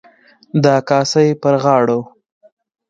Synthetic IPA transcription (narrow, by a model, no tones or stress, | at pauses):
d̪ɑkɑːsajpəɾɣɑɽow